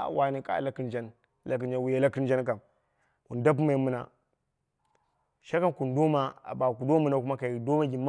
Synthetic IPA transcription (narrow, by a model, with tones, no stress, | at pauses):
a̰˨wa˨ni˨ka̰˦˨la˦ki˦nd͡ʒa˦n | la˨k̬i˨nd͡ʒa˨wu˨ja˨la˦ki˦n˦d͡ʒa˦nk̬a˨n | ku˨nda˦p̬ma˨i˦mɨ˦na˨ | ʃa˦ka˦nku˨ndo˦ma˦a̰˨ba˨k̬u˨do˦mu˦na˨ku˦ma˦ka˨i˨do˦ma˦ɡʲi˨ma˦